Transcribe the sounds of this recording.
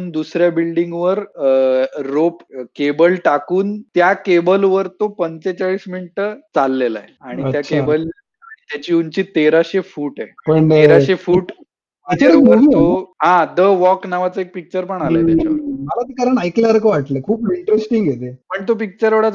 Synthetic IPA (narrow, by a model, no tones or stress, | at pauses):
nd̪usɾjabilɖiŋɡʋəɾː | opkebəlʈakuːnt̪jakebəlʋəɾt̪opənt͡set͡ɕaɭiːsminiʈət͡salːela̰eaɽ̃it̪jat͡ɕʰkebəl | ait̪jat͡ɕiːuɲt͡ɕiːt̪eɾaɕefuːʈepəɳeɾaefuːʈ | ikt͡ɕəɾɾubəɾt̪oɦãd̪əʋɔknaʋat͡səek̚pik̚t͡ɕəɾpəɳaləd̪elaməlat̪ekaɾəɳajklaɾkəʋaʈlekʰuːpiɳʈɾesʈĩŋɡʱet̪epəɳt̪op̬ik̚t͡ɕəɾʋəɽa